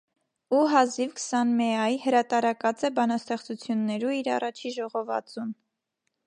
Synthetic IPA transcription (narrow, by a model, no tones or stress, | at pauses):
uɦɑzivkʰsɑnmɛɑjhəɾɑt̪ɑɾɑkɑt͡sɛbɑnɑst̪ɛχt͡sut͡sʰjunːɛɾuiɾɑ̰rɑt͡ʃʰiʒɔʁɔvɑ̰t͡sun